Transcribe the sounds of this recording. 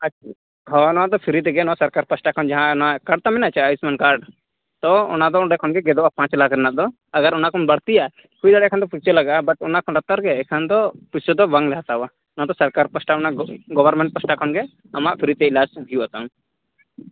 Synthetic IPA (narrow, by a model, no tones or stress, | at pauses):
a | ɦɔnɔad̪ɔpʰiɾit̪ɛɡɛnɔasaɾkaɾpəsʈakʰɔnd͡ʒaɦãnakaɖ̚t̪amɛnaat͡ʃaːismankaɾɖ | t̪ɔɔ̰nad̪ɔɖɛkʰɔnɡɛɡɛd̪ɔbapãt͡ʃlakɾɛnad̪ɔ | əɡaɾɔnakʰɔnbaɽt̪ija | kʰujd̪aɽɛakʰand̪ɔput͡ʃelaɡabaʈɔnakʰɔnɖat̪ːaɾɡɛːkʰand̪ɔpusɔd̪ɔbaŋlɛɦat̪aba | nɔad̪ɔsəɾkaɾpəsʈaɔnaʔɡɔbəɾmɛɳʈ̚pəsʈakʰɔnɡɛ | amaʔpʰiɾit̪ɛilad͡ʒd̪ʱijuat̪am